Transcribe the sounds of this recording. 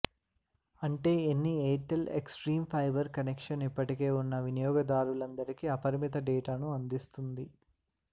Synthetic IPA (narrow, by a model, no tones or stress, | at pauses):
ɐɳʈe̞ːenːieːʈeleksʈɾiːmpʰɐjbɐɾkɐnekʂɐnipːɐʈike̞ːunːɐʋinijɔːɡɐd̪aːɾulɐnd̪ɐɾikiɐpɐɾmit̪ɐɖɛːʈaːnuɐnd̪ist̪und̪i